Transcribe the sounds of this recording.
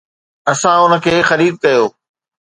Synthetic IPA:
ɐsãʊnə̆kʰeːxɐɾiːd̪̚kɐjoː

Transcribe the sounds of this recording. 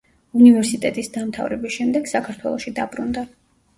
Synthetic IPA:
univɛɾsit̪ʼɛt̪ʼisd̪amt̪ʰa̰vɾɛbisʃɛmd̪ɛɡ̥sakʰaɾt̪ʰwɛ̰lˠɔʃid̪abɾṵnd̪a

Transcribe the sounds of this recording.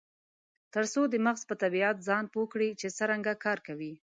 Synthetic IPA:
t̪əɾsod̪əmaɣzpət̪abiat̪zɑnpokɽit͡ʃesəɾaŋɡakɑɾkawi

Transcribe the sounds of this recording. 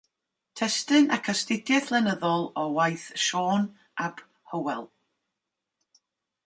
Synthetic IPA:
tʰɛstɨnakʰastɪdjɛθlˠɛnəðɔlˠɔwajθʃoːn | ʔab̥ | həwɛlˠ

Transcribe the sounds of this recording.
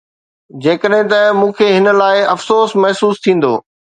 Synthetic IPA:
d͡ʑeːkəɗɦɪ̃t̪̬ɐmũːkʰeɦɪnə̆laːɪɐfsoːsmɐɦsuːst̪ʰĩːn̆d̪o̰ː

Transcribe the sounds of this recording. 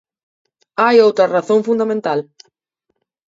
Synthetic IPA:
ajowt̪ɾɐraθõŋfund̪amẽnt̪al

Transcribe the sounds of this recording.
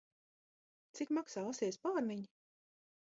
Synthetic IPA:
t̪sikmaksaːasiɛspaːɾmiɲi

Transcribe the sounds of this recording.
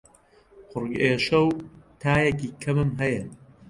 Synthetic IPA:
xʊrɡeːʃɐwt̪ʰaːjɐkiːkʰɐmɨmɦɐjɐ

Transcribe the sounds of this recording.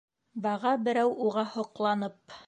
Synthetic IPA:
bɑʁɑbɘ̆ɾæwuʁɑhŏqlˠɑnɤp

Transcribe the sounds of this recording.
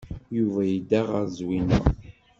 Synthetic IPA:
juvæjid̪æʁəɾzwinə̰ʁ

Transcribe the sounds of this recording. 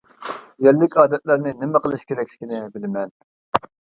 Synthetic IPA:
jɛlːɪkʲɑːd̪ɛt̪̚læɾnɪnɪmɛqəlˠɨʃkʲeɾɛkʲlɪ̥kʲinɪbɪlɪmɛn

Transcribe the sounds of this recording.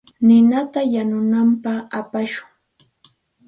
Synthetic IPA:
nɪnat̪ajanʊnampaχapaʃʊŋ

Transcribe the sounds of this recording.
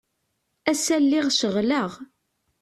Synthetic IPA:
æsælːɪʁʃəʁləʁ

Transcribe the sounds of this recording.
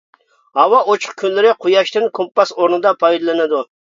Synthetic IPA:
hɑwɑʔot͡ʃʰə̥qkʲʰynlɪɾɪqʰojɑʃt̪ɪnkʰompːɑsoɾnɨd̪ɑpʰɑjd̪ɑlˠɪnɪd̪u

